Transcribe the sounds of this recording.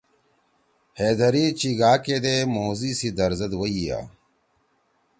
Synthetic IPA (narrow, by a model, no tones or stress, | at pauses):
heːd̪ɐɾiːt͡ɕiɡaːked̪eːmoːziːsid̪ɐɾzɐd̪wɐija̰ː